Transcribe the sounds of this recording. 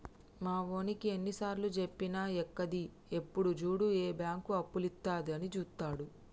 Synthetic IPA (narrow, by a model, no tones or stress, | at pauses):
maːʋo̞ːnikie̞nːisaːɾlud͡ʒe̞pːinaːɛkːɐd̪i | e̞pːuɽud͡ʒuːɽueːbjaːŋkuɐpːulit̪ːaːd̪iɐnit͡ʃuːst̪ːaːɽu